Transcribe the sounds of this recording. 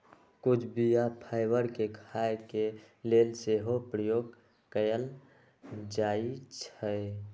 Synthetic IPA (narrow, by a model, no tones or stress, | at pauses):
kʊt͡ʃʰbijapʰaɪbəɾkekʰajke | lelseɦopɾəjoːɡ | kəjəl | d͡ʒait͡ʃʰəe